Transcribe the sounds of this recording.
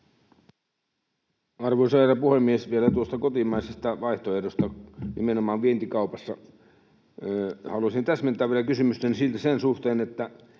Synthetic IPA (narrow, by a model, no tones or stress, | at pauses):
ɑrʋoisɑerɑpuhemːiesʋielæt̪uost̪ɑkot̪imɑisest̪ɑʋɑiht̪oehdost̪ɑnimenomɑːʋʋient̪ikɑupɑsːɑ | hɑluɑsint̪æsment̪ːˑæːʋielækysymyst̪ensilt̪æsensuht̪eːnet̪ːæ